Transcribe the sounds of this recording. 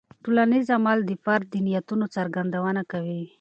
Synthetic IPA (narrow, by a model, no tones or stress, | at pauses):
ʈolanizamald̪əfaɾd̪inijat̪unot͡saɾɡand̪awənakawi